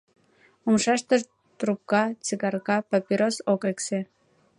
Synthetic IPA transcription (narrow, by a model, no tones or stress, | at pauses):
umʃɑʃt̪əʃ | t̪rup̚kɑt͡siɣɑrɣɑpapʲiɾosokekse